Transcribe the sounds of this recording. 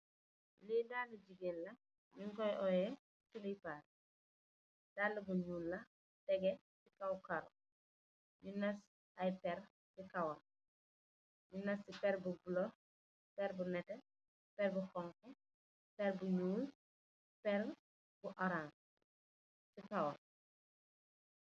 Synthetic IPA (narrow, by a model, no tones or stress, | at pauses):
liːdaːlːuɟiɡeːnlɐ | ɲuŋkɔjʔɔjɛ | tulipaːr | d̥aːlːubuɲuːlːɐ | tɛɡɛ | sikawkaɾ | ɲunɐs | ɐjpɛɾ | sikɐwɐl | ɲunɐsːipɛrbubulɔ | pɛɾbunɛtɛ | pɛɾbuxɔŋkɛ | pɛrbuɲuːl | pɛr | buʔɐɾaːn | sikawɐ